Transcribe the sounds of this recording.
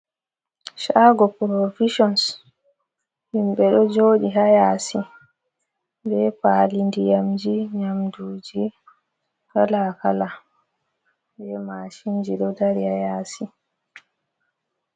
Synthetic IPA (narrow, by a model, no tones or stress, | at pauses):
ʃaːɡɔpɾoviʃɔns | himɓɛɗɔd͡ʒoːɗiɦajaːsi | bɛpaːlindijamd͡ʒiɲamduːd͡ʒi | kalakala | bɛmaʃind͡ʒiɗɔdaɾihajaːsi